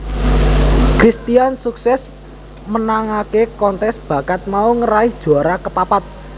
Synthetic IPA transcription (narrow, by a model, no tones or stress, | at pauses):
kɾist̪ijansuksɛs | mənaŋakekɔnt̪ɛsb̥ä̤kat̪̚mauŋəɾaɪhd̥ʒ̥ṳaɾakəpapat̪̚